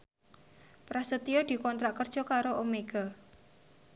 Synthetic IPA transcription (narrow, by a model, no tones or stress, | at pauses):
pɾasət̪ijɔd̪̥i̤kɔnt̪ɾaʔkərd̥ʒ̥ɔ̤kaɾoʔomeɡ̥a̤